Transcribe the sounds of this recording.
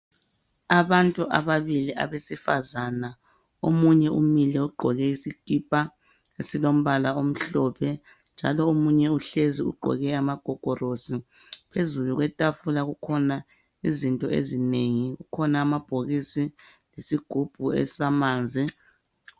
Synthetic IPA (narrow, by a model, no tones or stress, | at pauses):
aβantʼuʔa̰βaβilia̰βesifazana | o̰muɲɛʔumilɛuɡ͡ǃʱɔɣɛisiɡ̥ʱipʼa | esilom̩βalaom̩ɬɔpʰɛ | nd͡ʒʱa̰lɔomuɲɛuɬeziṵɡ͡ǃʱɔ̰ɣɛamaɡ̥ʱɔɡ̥ʱɔrosi | pʰezuluɣwɛtʼafulaɣukʰɔna | izintʼɔḛzineŋiɣukʰɔnaːmab̥ʱoɣisi | lesiɡ̥ʱub̥ʱuɛ̰samaːnd͡zʱi